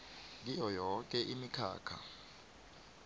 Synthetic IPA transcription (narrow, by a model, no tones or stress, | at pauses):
k̬ijɔjɔk̬ʼɛʔimikʰa̰ːkʰa̰